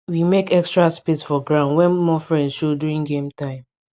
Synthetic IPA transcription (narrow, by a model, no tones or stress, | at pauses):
wimekɛkstɹaspedsfɔɡɹãʊ̃ndwɛ̃nmɔfɹɛ̃ndʃoduɹĩŋɡẽmtãɪ̃m